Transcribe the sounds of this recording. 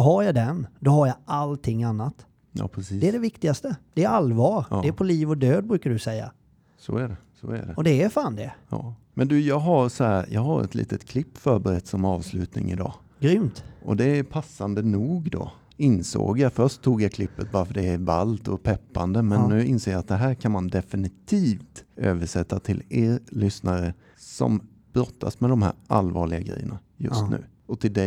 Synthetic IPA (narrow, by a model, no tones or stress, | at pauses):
d̪ɔɦaɾjad̪ɛnd̪ɔɦaɾjaʔalt̪ʰɪŋːanːat̪ | jɑ̰ːpʰɾɛsiːd̪ɛɖɛvɪkt̪ɪɡast̪əd̪̥ɛːɾalvɑːɾɛæpʰɔliːvɔd̪øːd̪̚bɾʉ̟ːkaɖ̪ɵsɛjːa̰ | sɔ̰æɖɛsɔ̰æ̰ɖɛɔd̪ɛːfaːnd̪ɛjɑːmɛnd̪ʉjɑːɡɦaɾsɔhæːɾjɑːɡhaɾɛ̰t̪lḭːt̪ət̪kʰlɪpːfœɾbəɾɛt̪ːsɔmɑːvslʉ̟ːt̪nɪ̰ŋɪ̰d̪ɑ̰ː | ɡɾʏmt̪ʔɔd̪ɛæpʰasːand̪ənuːɡd̪o̰ | ɪnso̰ːɡjafœʂʈt̚t̪ʰːuːɡjakʰlɪpːət̪̚bɑːɾfœɖɛæɾvalt̪ɔpʰɛpːand̪əmɛnnːʉ̟ːɪnseːjaat̪̚d̪ɛɦæːɾkʰanmand̪ɛfɪnɪt̪ʰiːft̪ʔøːvəʂɛt̪ːat̪ʰɪleːɾlʏsnaɾə | sɔ̰m | b̥ɾɔt̪ʰːasmɛd̪ɔmhæ̰ːɾʔalvɑːɭɪɡaɡɾɛ̰jːənajɵ̰st̪nʉ̟ː | ɔt̪ʰɪld̪ɛ